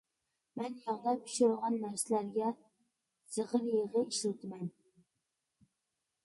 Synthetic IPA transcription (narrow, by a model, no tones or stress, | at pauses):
mɛnjɑʁd̪ɑpy̥ʃuɾʁɑnːæɾsɪlæɾɡʲɛ | z̥əʁəɾjeʁəiʃlult̪ʰɨmɛn